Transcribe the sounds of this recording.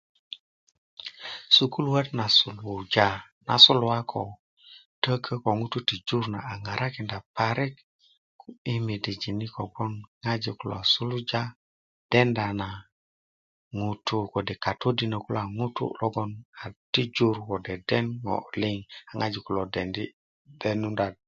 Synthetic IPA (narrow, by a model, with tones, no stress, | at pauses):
su˨ku˦lwe˦tna˨su˨lu˨d͡ʒa˦ | na̰˨su˦lwa˦kʰo˨ | tə˦kʰə˦ko˨ŋu˦tu˦ti˨d͡ʒu˦ɾna˨a˨ŋa˨ɾa˦ki˨nda˨pa˨ɾi˦k | i˦mi˨di˨d͡ʒi˨ni˦ko˨ɡo˦nŋa˦d͡ʒi˨ku˦lo̰˨a˨su˦lu˦d͡ʒa˦ | d̥e˦nda˨na˨ | ŋu˨tʰu˦ko˨de˨ka˨tʰo˦di˨nə˨ku˦la˨ŋu˦tṵ˦lo˦ɡo˦na˨ti˦d͡ʒu˦ɾko˨de˨de˦nŋo̰˨li˦ŋa˨ŋa˦d͡ʒi˨ku˨lo˨de˨ndi˦ | de˨nu˦nda˨d̚